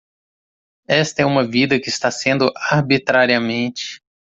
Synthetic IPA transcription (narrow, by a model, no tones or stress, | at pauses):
ɛst̪ɐɛũmɐvid̪ɐkɪst̪asẽnd̪ʊʔaɾbit̪ɾaɾiɐmẽnt͡ʃɪ̥